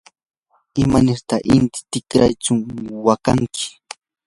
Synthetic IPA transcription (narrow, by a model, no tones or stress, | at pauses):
ɪmanɪɾt̪aʔɪnt̪ɪ̥t̪ɪkɾajt͡ʃʊŋwakaŋkʰɪ̥